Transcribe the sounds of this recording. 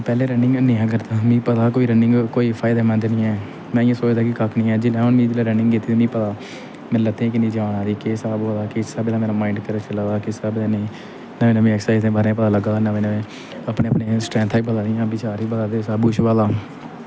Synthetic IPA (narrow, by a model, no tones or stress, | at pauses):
pɛːleːɾɛ̃ːɳɖɪ̃ŋɡənĩːɛ̃ːɡəɾt̪aːmĩːpət̪aːkoːiːɾəɳɖɪ̃ŋɡkoːiːpʰaːɪd̪aːmɛ̃ːd̪enĩːɛː | mɛ̃ːɪjãːsoːt͡ʃd̪aːkɪkakʰnĩːɛːd͡ʒɪlɛːonmĩːd͡ʒɪleːɾə̃ɳɖɪ̃ŋɡkɪt̪ːiːiːmĩːpət̪aː | mɛ̃lət̪ẽːkɪnĩːd͡ʒaːɽaːɾiːkeːsaːbaːlaːkɪsəb̪ːãːmɛːnaːmaːɪɳɖkəɾet͡ʃəlaːʋaːkɪsəbenẽː | nəmeːnəʋẽːɛːksaːɪzẽːbaːɾẽːp̬ət̪aːləɡaːnaʋẽːnəʋẽː | əpneːpneːsʈɾɛ̃ːnt̪ʰːiːbəlaːd̪ijãːbɪt͡ʃaːɾiːbəlaːd̪eːsaːbuʃʋaːlaː